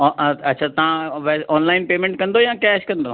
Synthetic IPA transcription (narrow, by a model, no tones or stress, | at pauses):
ɐtːt͡ɕʰaːt̪ɐʋãʋɛɔːnlaːɪnpeːmẽɳʈ̚kɐ̃nd̪ojãːkɛːʃkɐ̃nd̪oː